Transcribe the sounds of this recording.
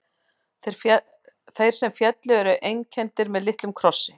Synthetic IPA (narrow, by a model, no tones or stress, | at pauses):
ɾ | θejɾ̥sɛmfjɛt̪lɪɛɾʏʔejncʰɛnt̪ɪɾmɛðlɪht̪lʏmkʰɾɔsːɪ